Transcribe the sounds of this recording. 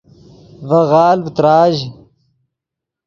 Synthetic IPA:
vɐɣaːlbt̪ɾaːʑ

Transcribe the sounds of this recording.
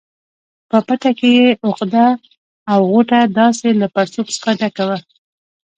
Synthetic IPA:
pəpaʈakejeʔʊqd̪aː | wɣoʈad̪ɑselapaɾsobsə̥χaɖakawə

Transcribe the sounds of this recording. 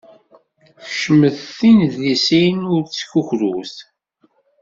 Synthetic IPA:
çəʃəməðθinðlisinʊɾt͡sːçuçɾusθ

